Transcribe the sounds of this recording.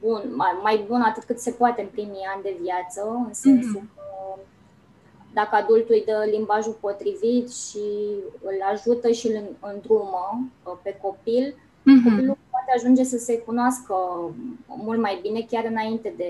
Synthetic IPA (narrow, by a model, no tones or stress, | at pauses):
bunamajbunat̪ɨt̪̚kɨt̪se̞poat̪e̞ɨnpɾimianʲd̪e̞vjat̪səɨnsensukə | d̪akəad̪ult̪ujd̪əlimbaʒupo̞t̪ɾivit̪ʃiɨlaʒut̪əʃilnɨnd̪ɾuməpe̞ko̞pil | kopilulpwat̪eaʒund͡ʒe̞səse̞kunoaskə | mult̪majbine̞kʲaɾɨnaint̪e̞d̪e̞